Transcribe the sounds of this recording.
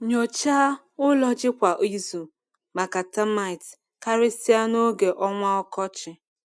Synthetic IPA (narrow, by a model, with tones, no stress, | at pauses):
ɲo˨t͡ʃa˦ | ʊ˦lɔ˦d͡ʒɪ˦kʷa˨ʔi˦zu˨ | ma˨ka˨ta˦ma˦˨ɪ˨t | ka˦ɾɪ˦sɪ˦a˦no˦ɡe˨ʔɔ˦ŋʷa˦ɔ˦kɔ˦t͡ʃɪ˨